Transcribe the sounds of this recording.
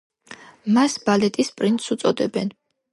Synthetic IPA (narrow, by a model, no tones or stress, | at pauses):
masbalɛt̪ʼispʼɾint̪ʼsut̪sʼɔd̪ɛbɛn